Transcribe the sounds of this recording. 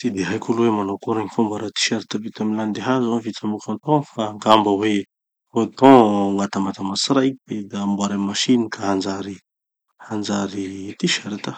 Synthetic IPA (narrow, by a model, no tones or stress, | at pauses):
t̪id̪eɦajkuluwemanakoɾaɲifumbaɾat̪i̥ʃaɾit̪avit̪amiland̪eɦazavit̪amukʲãnt̪ɔ̃faŋɡambəwe | ot̪ɔ̃ŋat̪amat̪amasiɾaikibed̪ambuaɾammaʃinikaɦand͡zaɾi | hand͡zaɾit̪iʃaɾit̪a